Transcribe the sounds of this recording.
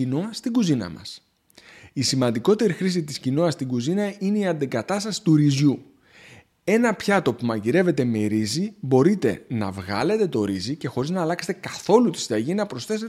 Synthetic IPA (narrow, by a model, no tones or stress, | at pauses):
inoɐst̪iɡuzinɐ̰mɐ̰s | isimɐnd̪iko̞t̪e̞ɾixɾis̬it̪iscino̞ɐst̪iɡuzinɐine̞iɐnd̪iɡɐt̪ɐst̪ɐsi̥t̪uɾizʝu | e̞nɐpçɐt̪o̞pumɐʝiɾe̞ve̞t̪e̞me̞ɾizibo̞ɾit̪e̞̰nɐ̰vɣɐ̰le̞t̪e̞t̪o̞ɾizice̞xo̞ɾiznɐːlɐkse̞t̪e̞kɐθo̞lut̪isid̪ɐʝinɐpɾo̞sθe̞se